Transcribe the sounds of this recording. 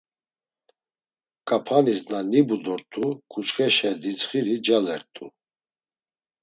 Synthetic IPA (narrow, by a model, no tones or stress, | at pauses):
kʼapʰanisnanibud̪ɔɾt̪ʼukʰʼut͡ʃχɛʃɛd̪it͡sχiɾid͡ʒalɛɾt̪ʼu